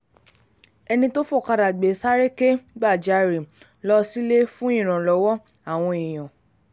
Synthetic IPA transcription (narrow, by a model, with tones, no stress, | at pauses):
ɛ˧nĩ˧to˦fo˦˨ka˧ɾa˨ɡ͡be˨˦sa˦ɾe˦ke˦ɡ͡ba˦˨d͡ʒa˨˧ɾi˨ | lɔ˧˦si˦le˦fũ˦ĩ˦˨ɾ̃ã˨lɔ˨˦wɔ˦ | a˨w̃ɔ̃˧ĩ˨j̃ã˨